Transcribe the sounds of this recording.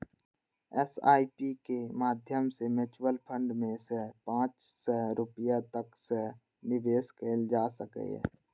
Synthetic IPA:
ɛsa̰ːipikemaːd̪ʱjəmsemɪt͡ʃwəlpʰə̃ɳɖmẽsepãːt͡ʃ | sɔɾʊpjat̪əkse | nɪʋeːskeld͡ʒaːsəkḛɛ̰ː

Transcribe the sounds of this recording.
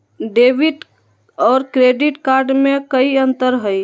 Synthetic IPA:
ɖebiʈ | ɔːɾkɾeɖiʈkaɾɖmẽkəiə̃nt̪əɾɦəj

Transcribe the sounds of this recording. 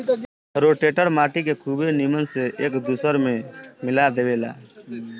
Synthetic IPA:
ɾoːʈeːʈəɾmaːʈikekʰubenimənseʔeːkd̪uːsəɾmẽmɪlad̪eʋeːla̰ː

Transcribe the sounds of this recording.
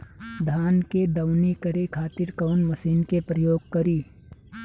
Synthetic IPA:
d̪ʱaːnked̪ɐwnikɐɾekʰaːt̪ɪɾkɐːnmɐsiːnkepɾəjoːɡ̚kɐɾiː

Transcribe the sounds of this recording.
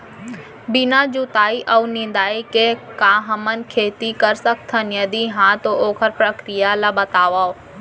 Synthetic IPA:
bɪnad͡ʒut̪aːiʔɐunɪ̃nd̪aːikekãːɦəmənkʰeːt̪ikəɾsək̚t̪ʰənjɐd̪iɦãt̪oʔoːkʰəɾpɾəkɾijalaːbɐt̪aːʋao

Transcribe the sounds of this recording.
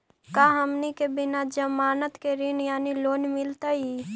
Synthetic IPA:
kaɦəmnikebɪnad͡ʒəmaːnət̪keɾɪnjaːniloːnmɪlt̪ai

